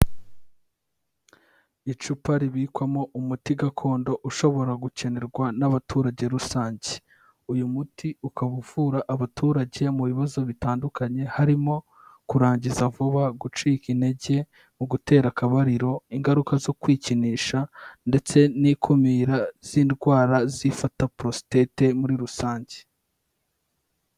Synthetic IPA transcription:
it͡ʃupaɾiβiːkwamo̞ʔumutiɡakʰo̞ːndo̞ʔuʃo̞βo̞ɾaɡuce̞ne̞ɾɡwanaβatʰuːɾaɟe̞ɾusaːɲɟe | ujumutiukaβuv̥uɾaʔːβatʰuːɾaɟe̞muβiβazo̞βitaːndukaɲe̞haɾimo̞ | kuɾaːɲɟizavuβaɡut͡ʃiːkine̞ɟe̞ | muɡute̞ːɾakaβaɾiɾo̞iŋɡaɾukazo̞kwiːciniːʃande̞t͡se̞nikʰumiɾaz̥iːnɡwaːɾazifatapɾo̞si̥tete̞muɾiɾusaːɲɟe̥

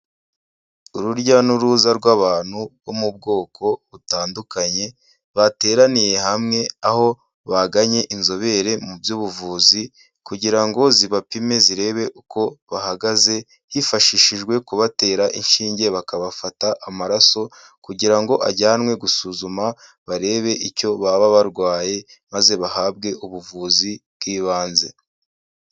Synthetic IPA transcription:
uɾuɾɟanuɾuːzaɾɡwaːβaːn̥huβo̞mub̚ɡo̞ːkʰo̞βutaːndukaɲe̞ | βate̞ːɾanije̞ɦamŋe̞aho̞ | βaɡaɲe̞ʔinzo̞βe̞ɾe̞mubjuːβuvuːzi | kuɟiɾaŋɡo̞ziβapime̞ziɾe̞ːβe̞ʔuko̞βahaɡaze̞ | hifaʃiːʃiʒɡwe̞kuβate̞ːɾaʔinʃiːɲɟe̞βakaβafataʔːmaɾaso̞ | kuɟiɾaŋɡo̞ʔa̰ɟaːnwe̞ɡusuːzuma | βaɾe̞ːβe̞ʔico̞βaβaβaɾɡwaːje̞ | maze̞βahaːb̚ɡe̞ʔuβuvuːzibɡiːβaːnze̞

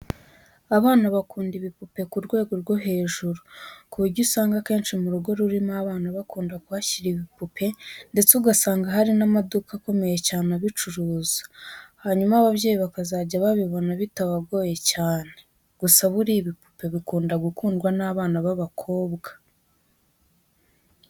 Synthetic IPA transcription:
aβaːnaβakuːndiβipupe̞kuɾɡwe̞ːɡo̞ɾɡo̞ɦe̞ːʒuɾukuuɾɟusaːŋɡake̞ːnʃimuɾuɡo̞ɾuɾimaːβaːnaβakuːndakuβaçiɾiβipupʰe̞nde̞t͡seuɡasaːŋɡaɦaɾinamadukako̞me̞je̞caːnaβit͡ʃuɾuːzḁhaɲumaβaβɟe̞ːjiβakazaːɟaβaβiβo̞naβitaβabɡo̞ːje̞caːne̞ | ɡ̥usaβuɾiβipu̥pe̞βikuːndaɡukuːndɡwanaːβaːnaβaβakʰo̞ːbɡḁ

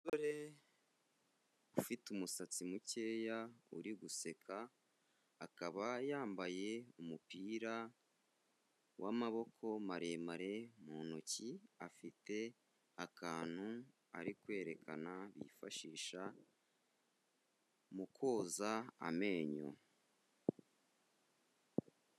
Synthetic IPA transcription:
ɡoɾe | ufitumusat͡simuce̞ːjaṵɾiɡuse̞kʰaː | kaβajaːmbaje̞umupiːɾa | wʔamaβo̞kʰo̞maɾe̞ːmaɾe̞muːnociafite̞ | akʰaːn̥hu | a̰ɾikwe̞ːɾe̞kʰanaβḭːfaʃiːʃa | mukʰo̞ːzaa̰me̞ːɲo̰

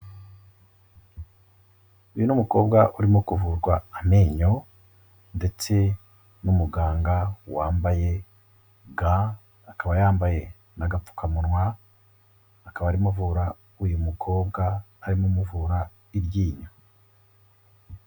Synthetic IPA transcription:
ujunumuko̞ːbɡaʔuɾimokuvuːɾɡwaːmeːɲo̞ | nde̞t͡se̞ | numuɡaːŋɡawaːmbaje̞ | ɡaː | kaβajaːmbaje̞ | naɡap͡fu̥kamunŋwa | kaβaːɾimuvuɾa | ujumukʰo̞ːbɡaː | ɾimomuvuːɾa | iɾɟiːɲo

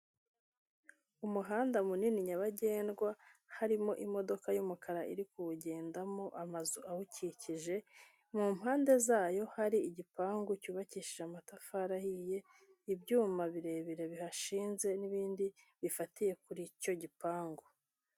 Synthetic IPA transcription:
umuɦaːndamuniniɲaβaɟe̞ːnɡwahaɾimo̞ʔimo̞do̞kajumukʰaɾaʔḭɾikuuɟe̞ːndamoʔamazuʔahuciciʒe̞ | mum̥haːnde̞zaːjo̞haɾiːɟipaːŋɡucuːβaciʃiʒamatafaɾahije̞ | ibɟuːmaβiɾe̞ːβiɾe̞βihaʃiːnze̞niβiːndi | βifatije̞kuɾico̞ɟipaːŋɡu

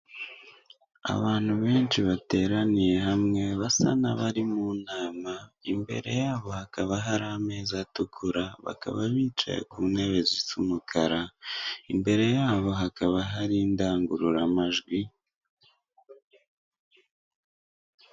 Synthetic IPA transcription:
a̰βaːn̥huβe̞ːnt͡ʃiβate̞ːɾanije̞ɦamŋe̞βasa̰naβaɾimuːnaːmaimbe̞̰ɾe̞̰jaːβo̞hakaβaɦaɾaame̞ːzatukʰuɾaβa̰ka̰βaβiːt͡ʃa̰jḛkuːne̞βe̞zit͡sumukʰaɾaimbe̞ɾe̞jaːβo̞ɦakaβaɦaɾindaːŋɡuɾuɾamaʒɡwi

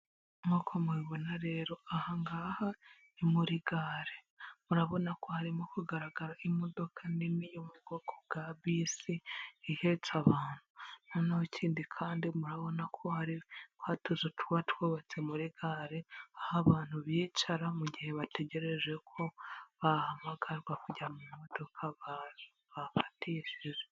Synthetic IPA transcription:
mokʰomweβo̞naɾe̞ːɾo̞ahaŋɡaha | imuɾiɡaɾe | muɾaβo̞nakohaɾimokuɡaɾaɡaɾaʔimo̞do̞kʰaninijomuɡ̥o̞ɡoɡ̥aβisiihe̞t͡saβaːn̥hunonahocʰiːndikʰaːndimuɾaβo̞nakʰo̞haɾikwatuzotwatwoβot͡se̞muɾiɡaɾeahaβaːn̥huβjiːt͡ʃaɾamuɟihe̞βate̞ɟe̞ɾe̞ʒe̞kʰo̞βahamaɡaɾɡwakuɟamumodo̞kʰaβa | βafḁtʰiʃize

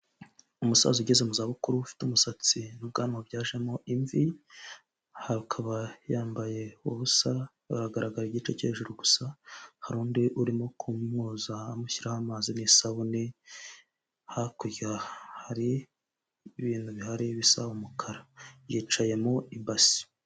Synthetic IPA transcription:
umusa̰zuɟezemuzaβukuɾuufi̥tumusat͡sinub̚ɡaːnimobɟaːʒe̞moʔiɱvi | hakʰaβajaːmbaje̞ṵβusa | a̰ɾaɡaɾaɡaɾiɟiːt͡ʃe̞ceːʒuɾuɡu̥sahaɾuːndiʔuɾimokʰumŋuːzaːmuçiɾahamaːzinisaβuni | hakujahaɾi | βiːnhuβihaɾiβisaumukʰaɾajiːt͡ʃaje̞moimbasi̥

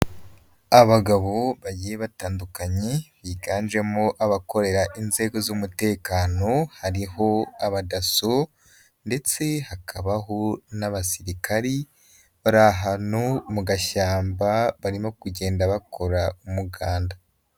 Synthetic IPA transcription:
aβaɡaβo̞βajijeβataːndukaɲe̞βiɡaːnd͡ʒe̞moʔaβako̞ɾe̞ɾaʔinze̞ːɡo̞zumute̞ːkaːno̞haɾiɦo̞aβadaso | nde̞t͡se̞hakʰaβaɦo̞naβasiɾikaɾi | βaɾaɦanomuɡaʃaːmbaβaɾimo̞kuɟe̞ːndaβakʰo̞ɾaumuɡaːnda

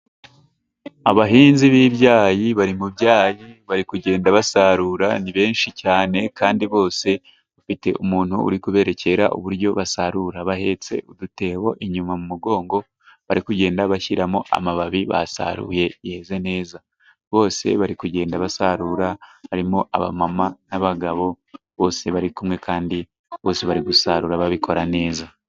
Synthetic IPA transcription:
aβaɦiːnziβiːβɟaːjiβaɾimubɟaːjiβaɾikuɟe̞ːndaβasaɾuːɾaniβe̞ːnʃicaːne̞kaːndiβo̞ːse̞ | βafite̞̰ʔumuːn̥huṵɾikuβe̞ːɾe̞ce̞ɾa̰ʔṵβuɾɟo̞βasaɾuɾaβahe̞t͡se̞̰udute̞ːwo̞ʔiɲumamumuɡo̞ːŋɡo̞ | βaɾikuɟe̞ːndaβaçiɾamo̞ʔa̰maβaβiβa̰sa̰ɾṵːje̞je̞ːze̞ne̞ːza | βo̞ːse̞βaɾikuɟe̞ːndaβasaɾuːɾaβaɾimo̞ʔaβa̰mamanaβaɡaβo̞ | βo̞ːse̞βaɾikumŋe̞kʰaːndi | βo̞ːse̞βaɾiɡusaɾuːɾaβaβikʰo̞ɾane̞ːza

